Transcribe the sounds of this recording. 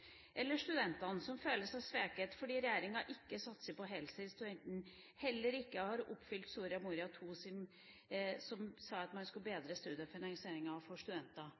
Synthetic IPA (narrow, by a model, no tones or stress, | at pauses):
ʔɛlːəʂt̪ʉd̪ɛnt̪ɑnsɔmføːləsɑsʋeːkət̪fɔɖiːɾɛjæːɾɪŋɑʔɪkːəsɑt̪ːsəpɔɦɛlsəɪst̪ʉd̪ɛnt̪n̩ | hɛlːəɾɪkːəhɑɾʊpːfʏlt̪suːɾɪɑmuːɾɪɑt̪ʰuːsɪm | sɔmsɑːɑt̪mɑnskʉlbeːd̪ɾəst̪ʉːd̪əfɪnɑŋsɪeːɾɪŋɑfɔʂt̪ʉd̪ɛnt̪ɑ